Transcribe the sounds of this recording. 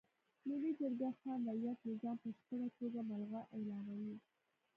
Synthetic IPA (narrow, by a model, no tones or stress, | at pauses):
nəwed͡ʒaɾɡaxɑnd̪ajat̪lozɑnpəʃk̪əɾat̪oɡamalɣaʔɪlɑnawi